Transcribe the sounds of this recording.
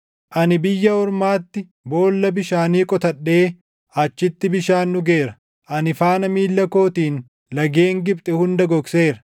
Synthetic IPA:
ʔɐnɪbɪjːɐɔɾmaːt̪ːɪ | bo̞ːlːɐbɪʃaːniːkʼɔt̪ɐɗːe̞ː | ɐt͡ʃːɪt̪ːɪbɪʃaːnːʊɡe̞ːɾɐ̥ | ʔɐnɪfaːnɐmiːlːɐko̞ːt̪iːn | lɐɡeːŋɡɪpt̪ʼɛhʊnd̪ɐɡɔkse̞ːɾɐ̥

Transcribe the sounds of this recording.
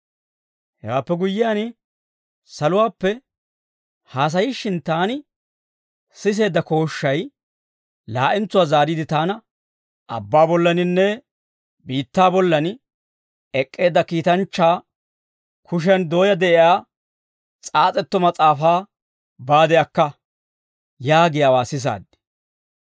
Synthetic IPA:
hɛwaːpːɛɡʊjːɪjaːn | sɐlʊwaːpːɛ | haːs̬ɐjɪʃːɪnt̪aːnɪ | sɪs̬e̞ːd̪ːɐko̞ːʃːɐj | laːʔɪnt͡sːʊwaːzaːɾiːd̪ɪt̪aːnɐ | ʔɐ̰bːaːbɔlːɐnɪnːɛ | biːt̪ːaːbɔlːɐn | ɛkʼːe̞ːd̪ːɐkiːt̪ɐnt͡ʃːaː | kʰʊʃ̬ɛnd̪o̞ːjɐd̪ɛʔɪjaː | t͡sʼaːt͡sʼɛt̪ːɔmɐt͡sʼaːfaː | baːd̪ɛjɐkːɐ | jaːɡɪjawaːsɪs̬a̰ːd̪ːɪ̥

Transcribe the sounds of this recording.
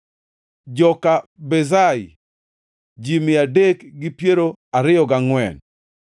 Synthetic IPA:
d͡ʒɔkabɛzaj | d͡ʒimɪadekɡɪpjeɾoaɾɪjɔɡaŋwɛn

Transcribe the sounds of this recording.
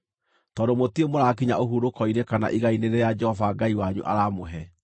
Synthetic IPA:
tɔːdomotiemoɾakiɲaoɦuɾokɔinekana̰ʔiɣaineɾejad͡ʒɛhɔvaːɡaiwaɲṵʔa̰ɾamoɦɛ

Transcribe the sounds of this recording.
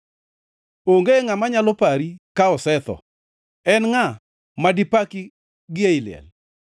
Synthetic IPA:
oŋɡeŋamaɲalɔpaɾikaɔsɛt̪ɔ̰ | ɛnŋa | madipaki | ɡɪeilɪɛ̰l

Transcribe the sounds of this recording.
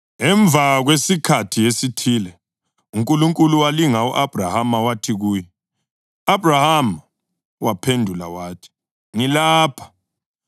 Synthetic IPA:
ŋɛɱb̪vʱaɣwesikʰatʰijesitʰilɛ | uŋkʼuluŋkʼuluwaliŋaṵʔab̥ʱrahamawatʰiɣuːjɛ | abʱrahama | wapʰendʱula̰waːtʰi̥ | ŋilaːpʰḁ

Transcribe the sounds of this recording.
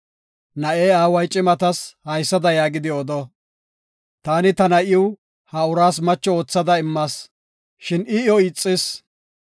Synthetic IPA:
nɐʔeːaːwɐjt͡ʃʼɪmɐt̪ɐshɐjsːɐd̪ɐjaːɡɪd̪ɪɔd̪ɔ | t̪aːnɪt̪ɐnɐʔɪɪw | hɐʊɾaːsmɐt͡ʃːɔoːt͡sːɐd̪ɐɪmːɐs | ʃɪnɪɔɪt͡sʼːɪs

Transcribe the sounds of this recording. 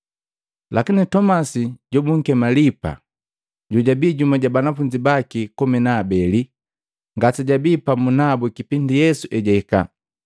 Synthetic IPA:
lʔakinitɔmasiɟɔbuŋ̩kɛmalipa̰ | ɟɔɟabiːɟumaɟabanafuɲd͡ʒibakikɔmɛnaːbɛli | ŋɡatiɟabipamunabukipindijɛsuʔɛɟɛika̰

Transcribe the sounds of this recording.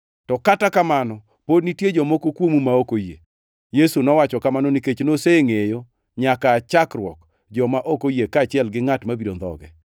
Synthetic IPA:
tɔkatakamanɔ | podnitjed͡ʒɔmokokwomumaokojḛ | jesunɔwat͡ʃɔkamanɔniket͡ʃnoseŋejo | ɲakaːt͡ʃakrwɔ̰k | d͡ʒɔmaʔokojekat͡ʃɪɛlɡɪŋatmabidond̪ɔ̰ɡɛ̰

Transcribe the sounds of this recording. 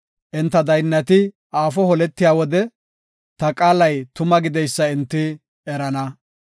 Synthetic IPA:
ʔɛnt̪ːɐd̪ɐjnːɐt̪ɪ | aːfɔhɔlɛt̪ːɪjaːwɔd̪ɛ | t̪ɐkʼaːlɐjt̪ʊmɐɡɪd̪ɛjsːɐɪnt̪ːɪ | ɛɾɐnɐ

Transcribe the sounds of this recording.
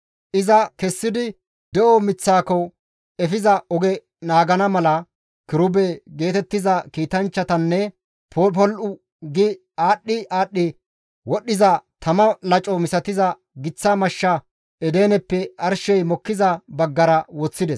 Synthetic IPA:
ʔɪzɐkɛsːɪd̪ɪ | d̪ɛʔɔmɪt͡sːaːkɔ | ɛfɪzɐɔɡɛ | naːɡɐnɐmɐlɐ | kɪɾʊbɛɡe̞ːt̪ɛt̪ːɪzɐkiːt̪ɐnt͡ʃːɐt̪ɐnːɛ | pɔpɔlʔʊ | ɡɪ | aːɗːɪʔaːɗːɪ | wɔɗːɪzɐt̪ɐmɐlɐt͡ʃʼɔmɪsɐt̪ɪzɐ | ɡɪt͡sːamɐʃːɐ | ɛd̪eːnɛpːɛɐɾʃɛjmɔkːɪzɐbɐɡːɐɾɐwɔt͡sːɪd̪ɛs

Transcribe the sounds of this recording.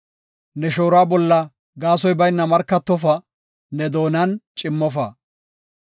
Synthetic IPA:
nɛʃoːɾaːbɔlːɐ | ɡaːsɔjbɐjnːɐmɐɾkːɐt̪ːɔfɐ | nɛd̪o̞ːnɐnt͡ʃʼɪmːɔfɐ

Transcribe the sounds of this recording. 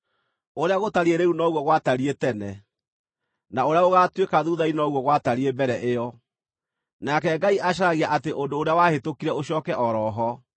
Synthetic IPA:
oɾeaɣotaɾieɾeunɔɣwɔɣwataɾietɛnɛ | naoɾeaoɣatwekaðuðainɔɣwɔɣwataɾiebɛɾɛʔeɔ | nakɛɡaiʔaɕ̬aɾaɣiaʔateʔondoːɾeawahetokiɾɛoɕɔːkɛʔɔɾɔːɦɔ

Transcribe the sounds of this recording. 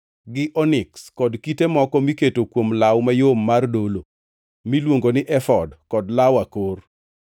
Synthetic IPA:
ɡɪʔɔnɪkskɔdkitemɔkɔmiketokwomlawmajomːardolo | milwoŋɡonɪʔɛfɔdkɔdlawakor

